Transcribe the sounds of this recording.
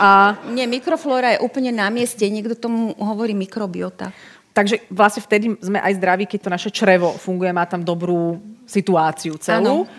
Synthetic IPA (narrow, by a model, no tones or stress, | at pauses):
ʔaɲɪɛmikɾɔflɔːɾajɛʔuːpl̩ɲɛnamɪɛscɛɲɪɛɡd̪ɔt̪ɔmuɦɔʋɔɾiːmikɾɔbiɔt̪a̰ | t̪aɡʒɛʋlasɲɛft̪ɛd̪izmɛʔajzd̪ɾaʋiːkɛc̚t̪ɔnaʃɛt͡ʃɾɛʋɔfuŋɡujɛmaːt̪amd̪ɔbɾuːsit̪uaːt͡siut͡sɛluː